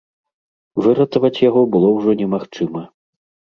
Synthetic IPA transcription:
vɨɾɐt̪ɐvɐt͡sʲjaɣɔbɨlˠɔwʐɔnʲɛmaxt͡ʂɨmɐ

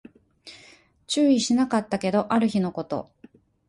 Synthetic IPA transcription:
t͡ɕɨːiɕinakat̪ːake̞d̪o̞ʔaɾɯ̟çino̞ko̞t̪o̞̰

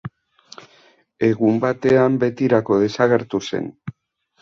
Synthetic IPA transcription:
e̞ɣumbat̪e̞ambe̞t̪iɾako̞ð̞e̞saɣe̞ɾt̪use̞̰n

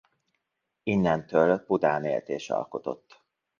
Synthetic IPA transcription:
inːɛnt̪øːlpud̪aːnḛːlt̪eːʃɒ̰lko̞t̪o̞̰t̪ː

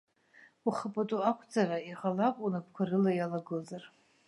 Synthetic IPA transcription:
uχapʼatʼuakʷʰt͡sʰʼaraiʁalakʷʼunapʰkʷʰaɾɨlajalaɡɨlzar

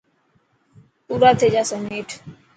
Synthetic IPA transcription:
puːɾaːt̪ʰed͡ʒasəmeːʈʰ

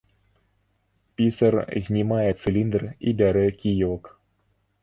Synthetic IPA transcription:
pʲisərzʲnʲimajɛt̪sɨlʲind̪rḭbʲaɾɛkʲijɔk

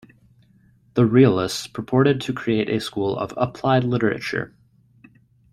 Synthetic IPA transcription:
ðəɹil̩ˠɪstspʰɹ̥əpʰɔɹɾɨd̚tʰɨkʰɹ̥ieɪɾʔɨskulˠʌ̰və̰pʰl̥aɪdˡlɪɾə˞ɨ̰t͡ʃə̰˞

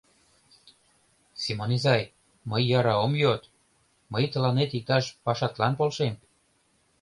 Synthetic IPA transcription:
simonizɑj | məjːɑɾɑomjot̪ | məjt̪ə̆lɑnet̪ik̚t̪ɑʃpɑʃɑt̪lɑnpolʃem

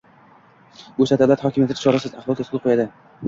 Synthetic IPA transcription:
bosad̪alat̪hɒkʲɪmjat̪ʰɪt̪ʰɪʃɒɾasɪzaχvɒlˠt̪ʰet̪kʰʊl̚ˠqʰojad̪ɪ

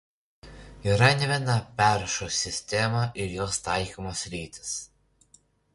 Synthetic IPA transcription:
iˑɾɐnʲɛʋʲinɐpʲæˑɾʃosʲɪsʲt̪ʲɛmɐʔɪɾjoːst̪ɑˑɪkɔmoːsɾʲiːt̪ʲɪ̥s

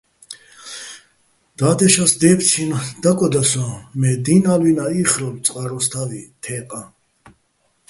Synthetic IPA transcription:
d̪̥ad̪ɛʃasd̪ɛpʰt͡s̪ʰinad̪̥akʼɔd̪asɔ̃mɛd̪inalwinaiχɾɔlt̪t͡s̪ʼqʼaɾɔst̪ʰavit̪ʰɛːqʼa

